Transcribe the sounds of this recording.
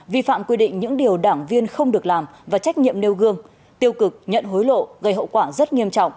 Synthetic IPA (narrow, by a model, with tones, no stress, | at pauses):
vi˧fa̰ː˧˨mkwi˧ɗḭ̈˧˨ŋ̟ɲɨ̰˧˥ŋɗi˨˩əwɗaː˧˩ŋvi˧ənxə˧wŋ͡mɗɨ˨˩ək̚laː˨˩mvaː˨˩t͡ɕa˦˥k̟̚ɲḭ˧˨əmne˧wɣɨ˧əŋ | t̪i˧əwkɨ˨˩k̚ɲə̰˧˨nɦo˨˦jlo̰˧˨ɣə˧˩jɦə̰˧˨wkwaː˧˩zə˦˥t̚ŋi˧əmt͡ɕɔ̰˧˨wŋ͡mʔ